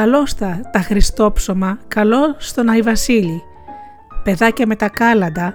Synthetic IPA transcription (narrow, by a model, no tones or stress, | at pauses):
ɐlo̞st̪ɐt̪ɐxɾist̪o̞pso̞mɐkɐlo̞st̪o̞nɐivɐsili | pe̞ðɐcɐme̞t̪ɐkɐlɐnd̪ɐ